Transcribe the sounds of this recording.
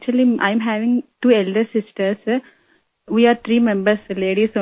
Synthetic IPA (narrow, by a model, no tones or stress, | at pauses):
t͡ʃəliʔã̰ɪmɦæːʋɪ̃ŋʈuːelɖəɾsɪsʈəɾs | ʋiːaːɾt̪ʰɾiːmɛ̃mbəɾsleːɖiso